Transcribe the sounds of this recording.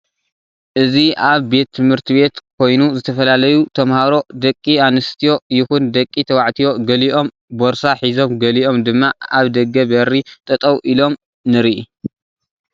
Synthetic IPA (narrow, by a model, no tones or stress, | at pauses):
ʔɨziaβbe̞t̪ʰːɨmhɨɾt̪ʰiβe̞t̪kʰo̞jnuzɨt̪ʰɐfɐlalɐjut̪ʰɐmhaɾo̞d̪ɐkʼːianɨst̪ʰijo̞jɪxund̪ɐkʼːit̪ʰɐwaʕt̪ʰijo̞ɡɐliʔo̞m | boɾsaħizo̞mɡɐliʔo̞md̪ɨmːaaβd̪ɐɡːɐbɐɾit̪ʼɐt̪ʼɐwʔilo̞m | nɨɾiʔi